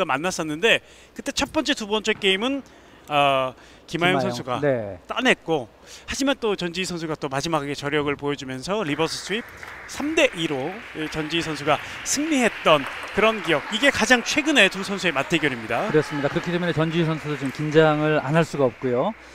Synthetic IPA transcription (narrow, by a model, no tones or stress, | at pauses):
amanːas͈ʌnːɯnde̞ | kɯt͈e̞t͡ɕʰʌp͈ʌnt͡ɕ͈e̞tubʌnt͡ɕ͈ek͈e̞imɯn | ʌ | kimajoŋsʰʌnsʰuɡanet͈anɦe̞t̚k͈o | had͡ʑimant͈ot͡ɕʌnd͡ʑiisʰʌnsʰuɡat͈omad͡ʑimakʰaɡe̞t͡ɕʌɾjʌɡɯɭpojʌd͡ʑumjʌnsʰʌɾibʌsʰɯs͈ʰuip̚sʰamde̞ʔiɾot͡ɕʌnd͡ʑiisʰʌnsʰuɡa | sʰɯŋɲiɦe̞t̚t͈ʌnkɯɾʌnkijʌɡ̚iɡe̞kad͡ʑaŋt͡ɕʰwe̞ɡɯne̞tusʰʌnsʰue̞matʰeɡjʌɾimɲidaɯɾʌs͈ɯmɲidakɯɾʌkʰit̪͈emunet͡ɕʌnd͡ʑiisʰʌnsʰudot͡ɕomkind͡ʑaŋɯɾa̰nɦaɭs͈uɡaʌp̚k͈ujo